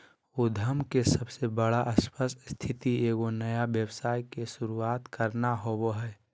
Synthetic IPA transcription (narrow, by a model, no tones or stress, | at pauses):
od̪ʱəmkesəbsebəɽaʔəspəsst̪ʰɪt̪ieːɡonəjabjəwsaːjkeʃʊɾuaːt̪kəɾnaɦoboɦɛː